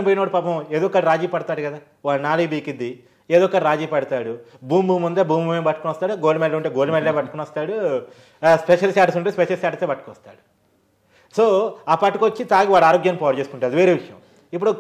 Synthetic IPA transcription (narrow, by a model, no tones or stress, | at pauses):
ip̬oːjinɐːɽupaːpɐmeːd̪ɔkːɐlɾaːd͡ʒiːpɐɽɐt̪aːɽukɐd̪aː | ʋaːlnaːlibiːkid̪ːi | eːd̪ɔːkːɐɽɾaːd͡ʒiːpɐɽɐt̪aːɽubuːmbuːmund̪eːbuːmbumembɐʈːukunʋɐst̪aːɽuɡoːlmɛlɐuɳʈeɡoːlumɛlleːbɐʈːɐkunʋɐst̪aːɽu | spɛʂɐlsaːʈɐsuɳʈeːspɛʃɐlsaːʈɐsebɐʈːukʋɐst̪aːɽu | soːaːpɐʈːukot͡ʃːit̪aːɡiʋaːɽaːɾoːɡjaːnpɔːɾt͡ʃeːskuɳʈaːɐd̪iʋeːɾeːʋiʂɐjɐ̰m | ip̬ːuɽu